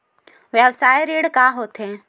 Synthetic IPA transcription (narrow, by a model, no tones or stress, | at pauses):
ʋjaʋsaːeɾeːɽkaːɦoːt̪ʰeː